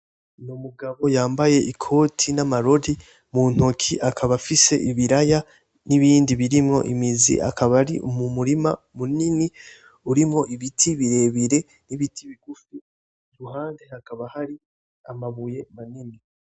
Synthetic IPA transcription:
numuɡaβo̞jaːmbaje̞ʔikʰo̞ːtʰinamaɾo̞di | muːn̥hokʰiʔakʰaβafise̞ʔiβiɾaja | niβiːndiβiɾimŋo̞̰ʔḭmizḭʔa̰kʰaβaɾḭʔṵmumuɾima | munini | uɾimŋo̞ʔiβitʰiβiɾe̞ːβiɾe̞ | niβitʰiβiɡ̥ufu | ɾuɦaːndeakaβahaɾi | amaβuje̞manini

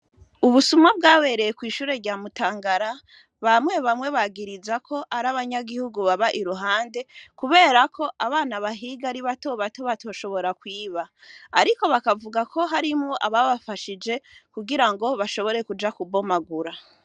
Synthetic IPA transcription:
uβusumŋabɡaːwe̞ɾe̞jekwiːʃuːɾe̞ɾɟaːmutaːŋɡaɾa | βamwe̞βamwe̞βaɡiɾizakʰo̞ʔaɾaβaɲaɡihuɡuβaβaʔiɾuɦaːnde̞kuβe̞ːɾakʰo̞ʔaβaːnaβaɦiːɡaɾiβato̞βatoβatʰo̞ːʃo̞βo̞ɾakwiːβaː | ɾiko̞βakavuɡakʰo̞ɦaɾimŋoʔaβaβafaʃid͡ʒe̞kuɡiɾaŋɡo̞βaʃo̞βo̞ɾe̞kud͡ʒakubo̞maɡuɾa

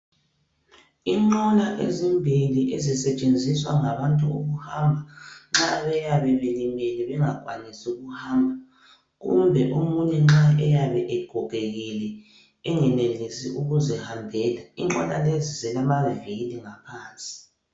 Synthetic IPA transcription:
iŋ͡ǃɔlaʔezimbʱiliʔezisɛt͡ʃʼend͡zʱiswaŋaβantʼuoɣuhambʱaŋ͡ǁaβɛjaβɛβelimeliβɛŋaɡ̥ʱwanisuɣuhaːmbʱa | ɣṵmbʱɛʔumuɲɛŋ͡ǁaɛjaβɛʔɛɡ̥ʱɔɣeɣilɛ | ɛŋɛnelisiʔuɣuzɛhambʱɛːlaiŋ͡ǃɔ̰lalezizɛlamaviliŋapʰaːnt͡sʼi̥

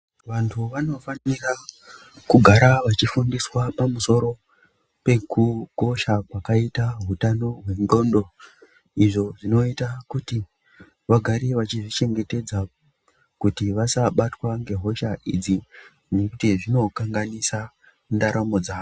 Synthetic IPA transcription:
ʋantʰuʋano̞fanira | kuɡʱaɾaʋat͡ʃifundiswapamuso̞ɾo̞ | pe̞kuko̞ʃakwakaitaɦutano̞ɦwe̞nɡo̞ndo̞ | iʐo̞ʐino̞itakuti | ʋaɡʱaɾiʋat͡ʃiʐit͡ʃe̞ŋɡe̞te̞d͡za | kutiʋasaɓatwaŋɡe̞ɦo̞ʃaʔid͡zi | nekutiʐino̞kaŋɡanisa | ndaɾʔamo̞d͡zaːo

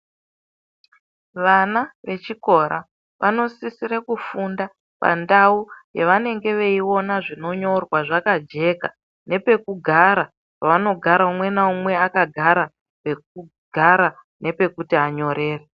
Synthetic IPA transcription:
ʋanaʋe̞t͡ʃiko̞ɾa̰ | ʋʔano̞sisiɾekufunda | pa̰ndaujeʋane̞ŋɡe̞ʋe̞io̞naʐino̞ɲo̞rwaʐakad͡ʒe̞ka̰ | ne̞pe̞kuɡʱaɾa | paʋano̞ɡʱaɾaumwe̞naumwe̞akaɡʱaɾa | pek̚u | ɡ̥ʱaɾa | ne̞pe̞kutiɦaɲo̞ɾe̞ːre

